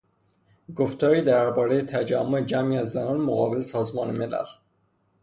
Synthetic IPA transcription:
ɡoft̪ʰɒːɾiːd̪æɾbɒːɾejet̪ʰæd͡ʒæmːoed͡ʒæmiːæzːænɒːnmoɣɒːbe̞lesɒːzmɒːnemelæ̰l

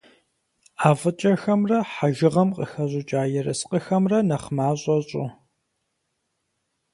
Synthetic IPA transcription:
aːvɐt͡ʃʼɐxɐmrɐħaʒɪʁɐmqʼəxɐʑʷʼʊt͡ʃʼaːjɪɾɐsqʼəxɐmrɐnɐχmaːɕʼɔɕʼʊ

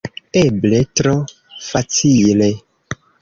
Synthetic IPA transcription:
ebletɾo | fat͡sile

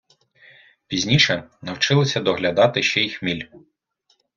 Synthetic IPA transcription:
pʲizʲnʲiʃɛnɐwt͡ʃɪlˠɔsʲɐd̪ɔɦlʲɐd̪ɑt̪ɪʃt͡ʃɛjixmʲilʲ

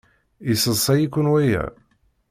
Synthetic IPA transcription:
isəsˤæjikːʊnwæjæ̰

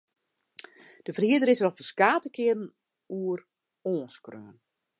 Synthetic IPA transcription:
d̥əfəriədəɾɪsərɔfəskaːtəkɪədn̩ | uər | oːnskrø̰ːən

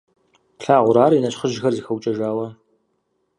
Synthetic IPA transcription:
ɬaːʁʷʊɾaːrinɐɕχəʒxɐrzixɐwt͡ʃʼɐʒaːwɐ

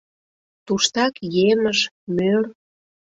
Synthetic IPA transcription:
t̪uʃt̪ɑkjeməʃ | mør

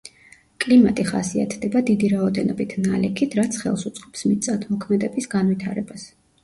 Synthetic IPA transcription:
kʼlimat̪ʼiχasia̰t̪ʰd̪ɛbad̪id̪iɾaɔd̪ɛnɔbit̪ʰnalɛkʰit̪ʰɾat̪sʰχɛ̰lˠsut̪sʼqʼɔ̥psmit̪sʼat̪ʰmɔkʰmɛd̪ɛbisɡanvit̪ʰaɾɛbas

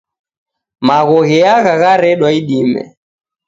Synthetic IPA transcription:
maɣɔɣɛaɣaɣaɾɛɗwaiɗimɛ̰

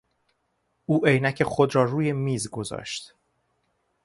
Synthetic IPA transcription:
ʔuːʔejnæcʰe̞xod̪ɾɒːruːje̞miːzɡo̞zɒ̰ːʃt̪

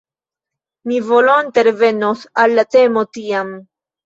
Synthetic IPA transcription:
mivolont̪eɾeve̞nosalːate̞motiam

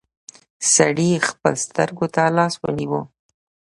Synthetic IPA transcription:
saɽixpə̰lst̪ə̰ɾɡot̪alɑswə̰niwo

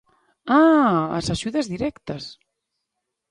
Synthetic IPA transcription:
aa̰saʒuðezðiɾɛkt̪əs

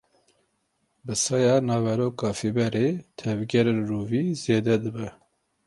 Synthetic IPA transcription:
bɨsɑjɑːnɑːvɛɾoːkɑːfibɛɾeːt̪ʰɛvɡʲɛɾenruːviːzeːd̪ɛd̪ɨbɛ

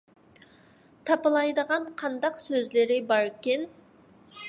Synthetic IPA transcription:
t̪ʰɑpəlˠɑjd̪əʁɑnqʰɑnd̪ɑqsøzlɪɾɪbɑɾkʲen

